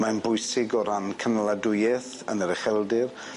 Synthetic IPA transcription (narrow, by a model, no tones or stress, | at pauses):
manbʊjsɪɡɔɾankʰənəlˠadʊjɛθ | ə̰nəɾɛχɛlˠdɪr